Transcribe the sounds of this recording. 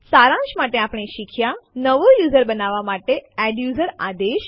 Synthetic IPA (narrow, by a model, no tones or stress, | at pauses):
saɾãʃmaʈeapɳ̃eʃikʰjanəʋojuzəɾbənaʋamaʈeɛɖjuzəɾad̪eʃ